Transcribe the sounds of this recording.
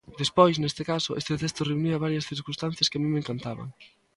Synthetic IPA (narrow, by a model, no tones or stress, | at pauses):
d̪espɔjsnest̪ɪkasʊʔest̪et̪est̪ʊreuniɐβaɾjɐsθiɾkunst̪an̟θjɐskɪamĩmeŋkant̪aβɐ̰ŋ